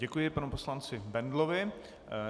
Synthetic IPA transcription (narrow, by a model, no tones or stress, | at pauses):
ɛkujɪpanuposlant͡sɪbɛndlovɪ